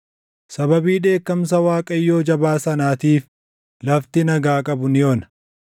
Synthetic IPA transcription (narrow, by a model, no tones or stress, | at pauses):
sɐbɐbiːᶑe̞ːkːɐms̬ɐwaːkʼɐjːo̞ːd͡ʒɐbaːsɐnaːt̪iːf | lɐft̪ɪnɐɡaːkʼɐbʊnɪjoːnɐ